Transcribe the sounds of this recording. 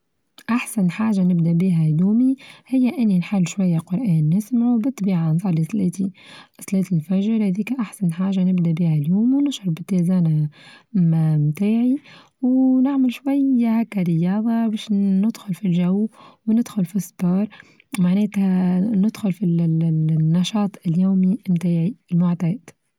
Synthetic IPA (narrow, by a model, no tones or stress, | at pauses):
ʔaħsanħaːʒanɪbd̪abiːɦæjuːmihɪjːæʔɪnːinħalːʃwajːaqʊɾˤʔaːnːɪsmʕubɨt̪ˤːbiːʕanzˤɑliθlɛːt̪iθlɛːt̪ilfæʒɾˤhæðiːkʔaħsanħaːʒanɪbd̪abiːhæljuːmwnɪʃɾˤɑbɪt̪ːezaːna | mt̪aːʕi | wnɪʕmɪlʃwajːahakːaɾɪjɑːðˤɑbɛːʃnɪd̪̥xʊlfilʒawwnɪd̪xʊlfisˤːbɑːɾˤ | maʕneːt̪hanɪd̪xʊlfi | nːɑʃɑːt̪ˤɪljuːmimt̪aːʕilmʊʕt̪aːd̪